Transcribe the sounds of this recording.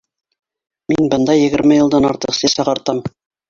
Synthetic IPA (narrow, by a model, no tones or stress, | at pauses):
minbɤ̆nd̪ɑjɘ̆ɡɘ̆ɾmɘjɤ̆lˠd̪ɑnɑ̰ɾt̪ɤqsɘsɑʁɑɾt̪ɑm